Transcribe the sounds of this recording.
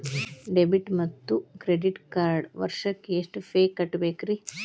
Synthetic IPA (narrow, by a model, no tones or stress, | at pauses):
ɖebiʈmɐt̪ːukɾeɖiʈkaːɾɖʋɐ̰ɾʂɐkːeeʂʈpeːkɐʈːbeːkɾi